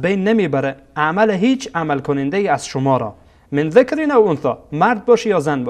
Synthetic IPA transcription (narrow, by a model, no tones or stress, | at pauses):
bejnːemibæɾɛamaleɦiːt͡ʃʰamalkʰʊnɪnd̪aiaz̥ʃʊmɒːɾɔ̰ | mɪnðɪkɾinawʊnθɔmaɾd̪̚bɒʃijɒːzanbɔ